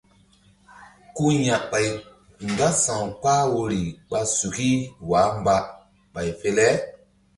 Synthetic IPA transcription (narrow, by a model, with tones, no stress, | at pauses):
ku˦ɲã˨ʔɓa˨j | ŋ˨ɡa˦sã˨wk͡paː˦wo˧ɾi˨k͡pa˧su˨ki˦waː˨˦mba˧ | ɓa˨jfe˧lɛ˦